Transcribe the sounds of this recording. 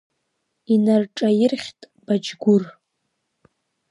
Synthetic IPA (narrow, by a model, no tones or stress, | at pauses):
inarʈ͡ʂʼajɪrχʲtʼ | b̥ad͡ʒɡʷʊr